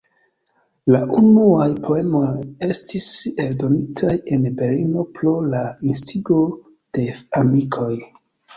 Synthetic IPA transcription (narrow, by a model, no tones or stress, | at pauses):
laʔunuajpʰo̞e̞mo̞je̞stise̞ldo̞nitʰaje̞nbe̞lino̞pɾo̞lainstiɡo | d̥e̞amikʰo̞j